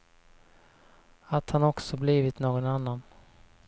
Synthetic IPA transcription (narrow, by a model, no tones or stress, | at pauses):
at̪hanɔksɔbliːvɪt̪noːɡɔnanːan